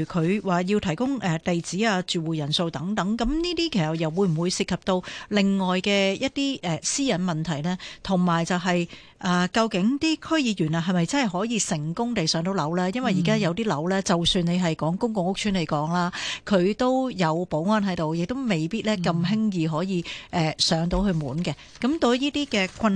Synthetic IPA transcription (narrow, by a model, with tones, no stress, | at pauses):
kʰɵ˨˧ɥwaː˨jiː˧wt̪ʰɐ˨˩jkʊ˥ŋʔɛː˨t̪e˨jt͡siː˨˥aː˧t͡ʃyː˨wuː˨˩jɐ˨˩nso˧wt̪ɐ˨˥ŋt̪ɐ˨˥ŋkɐ˨˥mniː˥t̪iː˥kʰe˨˩sɐ˨˩t̚jɐ˨w̚wu˨˧˥m̩˨˩wu˨˧jsi˨˩kʰːɐ˨p̚t̪o˧wlɪ˨˩ŋːɔː˨jkɛː˧jɐ˥t̚t̪iː˥ʔɛ˨siː˥jɐ˨˥nmɐ˨nt̪ʰɐ˨˩jlɛː˥t̪ʰʊ˨˩ŋmaː˨˩jt͡sɐ˨wɦɐ˨j | ʔaː˨˧kɐ˧wkɪ˨˥ŋt̪iː˥kʰɵ˥ɥjiː˨˧jyː˨˩nɐ˧ɦɐ˨jmɐ˨jt͡sɐ˥nhɐ˨jɦɔː˨˥jiː˨˧sɪ˨˩ŋkʊ˥ŋt̪e˨jsœː˨˥ŋt̪o˨˥wlɐ˨˥wlaː˥jɐ˥nwɐ˨ji˨˩kaː˥jɐ˨˧wt̪̬iː˥lɐ˨˥wlɛː˥t͡sɐ˨wsyː˧ne˨˧jɦɐ˨jkɔː˨˥ŋkʊ˥ŋkʊ˨ŋʊ˥k̚t͡ʃʰyː˨˥nle˨˩jkɔː˨˥ŋlaː˥kʰɵ˨˧ɥt̪o˥wjɐ˨˧wpo˨˥wŋɔː˧˥nɦɐ˨˥jt̪o˨wjɪ˨k̚t̪o˥wme˨˩jpiː˥t̚lɛː˥kɐ˧mɦɪ˥ŋjiː˨˧ɦɔː˨˥jiː˨˧ʔɛː˨sœː˨˥ŋt̪o˨˧whɵ˧ɥmuː˨˥nkɛ˧ | kɐ˨˥mt̪o˧wniː˥t̪iː˥kɛː˧kʷʰɐ˧n